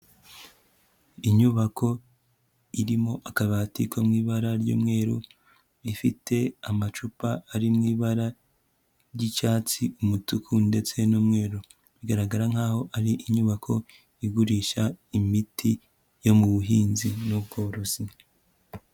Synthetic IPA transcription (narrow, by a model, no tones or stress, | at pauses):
iɲuβakʰo̞ | iɾimo̞ʔakaβaːtikʰomŋiːβaɾaɾɟṵːmŋe̞ːɾu | βifite̞amat͡ʃupaːɾimŋiːβaɾa | ɾɟit͡ʃaːt͡siumutukʰunde̞t͡se̞nuːmŋe̞ːɾu | βiɡaɾaɡaɾaŋ̥aːho̞ʔaɾiʔiɲuβakʰo̞ | iɡuɾiʃaimitʰi | jo̞muβuɦiːnzinuβɡo̞ɾosi